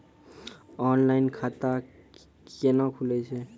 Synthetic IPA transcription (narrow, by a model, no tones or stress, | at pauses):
ɔnlainkʰat̪a | kenakʰulɛt͡ʃʰe